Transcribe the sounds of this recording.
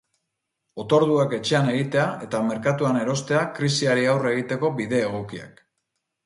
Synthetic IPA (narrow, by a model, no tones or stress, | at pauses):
o̞t̪o̞ɾðuake̞t͡ʃe̞ane̞ɣit̪e̞ae̞t̪ame̞ɾkat̪uane̞ɾo̞st̪e̞akɾisiaɾiawre̞ɣ̞it̪e̞ko̞biðe̞ːɣ̞o̞kia̰k